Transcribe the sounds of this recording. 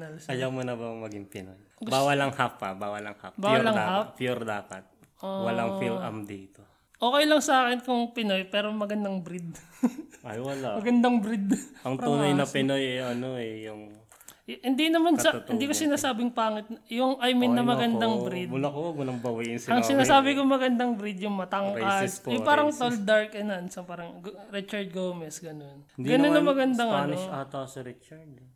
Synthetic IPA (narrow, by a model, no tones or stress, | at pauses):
nɐlsɐjawmonɐbɐŋmɐɡiŋpɪnoj | ɡbaːwɐlɐŋhapːɐbaːwɐlɐŋha̰pbawwɐlɐŋhappjuɾd̪aːpɐt̪̚ | ʔowɐlaŋfilɐ̰md̪iːt̪o | ʔo̞ːkɛjlɐŋsɐaːkɛnkʊŋpɪnojpɛːɾomɐɡɐnd̪ɐŋbɾid̪̚ | ɐjwɐlamɐɡɐnd̪ɐŋbɾid̪ʔɐŋt̪uːnɐjnɐpɪnojɛʔɐnoɛjʊŋ | jhɪnd̪inɐmansɐhɪnd̪iːkosɪnaːsaːbɪŋpaːŋɪt̪̚njʊŋʔajmɪnːɐmɐɡɐnd̪aŋbɾid̪mʊlakowɐɡ̚mʊnɐŋbɐwɐʔɪnsɪɐŋsɪnaːsaːbɪkomɐɡɐnd̪ɐŋbɾid̪jʊŋmɐt̪ɐŋkkasjʊpaːɾɐŋt̪old̪aɹkɐnɐnsɐpaːɾɐŋɡɾit͡ʃɐɹd̪̚ɡowmɛsɡɐno̞nɡɐnonːɐmɐɡɐnd̪aŋɐnoʔaːt̪oɐsɐɾit͡ʃɐɾd̪̚